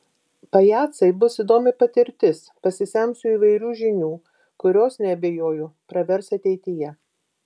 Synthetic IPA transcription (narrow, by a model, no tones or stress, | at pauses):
pɐjɑːt̪sɐɪbʊsid̪oːmʲɪpɐt̪ʲɪɾʲt̪ʲɪspɐsʲɪsʲɛmsʊiːʋɐɪɾʲuːʒʲɪnʲuː | kʊɾʲoːsnʲɛɐbʲeːjoːjʊpɾɐʋʲɛɾsɐt̪ʲɛɪt̪ʲɪjɛ